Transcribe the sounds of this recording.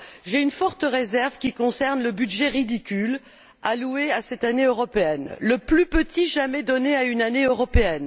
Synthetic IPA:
ʒeynfɔʁt̪əʁezɛʁvkʲikɔ̃sɛʁnləbydʒɛʁid̪ikʲyl | alueasɛt̪aneøʁɔpeɛnləplypət̪iʒamɛd̪ɔneaynaneøʁɔpeɛn

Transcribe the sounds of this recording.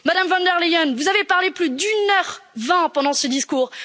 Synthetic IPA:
mad̪amvɑ̃nd̪ɛʁlejɔnvuzavepaʁleplyd̪ynœʁvɛ̃pɑ̃d̪ɑ̃səd̪iskuːʁ

